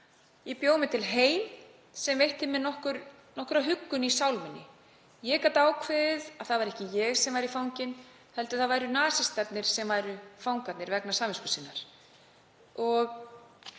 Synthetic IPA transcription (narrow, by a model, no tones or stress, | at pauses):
jɛpjoːwmɪt̪ʰɪlɦeːjm | sɛmvejht̪ɪmɛnɔhkʏɾ | nɔhkʏɾaɦʏkːʏnisawlmɪnːɪ | jɛkat̪aːwkʰvɛːðɪðaðθaðvaɾɛhcɪjɛɣsɛmvajɾifawɲcɪn | hɛlt̪ʏθaðvaːjɾʏnaːsɪst̪ɛt̪nɪɾ̥sɛmvajɾʏfawŋkat̪nɪɾvɛknasaːmvɪskʏsinːaɾ̥ | ɔɣ